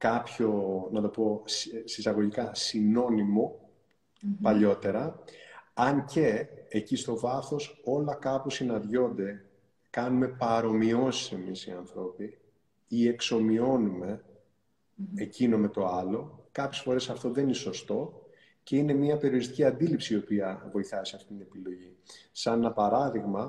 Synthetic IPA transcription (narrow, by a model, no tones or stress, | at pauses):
kɐpço̞nɐt̪o̞po̞sisɐɣo̞ʝikɐsino̞nimo̞ | pɐʎo̞t̪e̞ɾɐ | ɐɲceːcist̪o̞vɐθo̞so̞lɐkɐpusinɐðʝo̞nd̪e̞ | kɐnume̞pɐɾo̞mio̞si̥se̞misiɐnθɾo̞pi | ie̞kso̞mio̞nume̞ | ecino̞me̞t̪o̞ɐlo̞kɐpçe̞sfo̞ɾe̞sɐft̪o̞ðe̞nineso̞st̪o̞ | ce̞ine̞miɐpe̞ɾio̞ɾist̪i̥ciɐnd̪ilipsiiːo̞piɐvo̞iθɐsiɐft̪it̪inepilo̞ʝi | sɐnɐpɐɾɐðiɣmɐ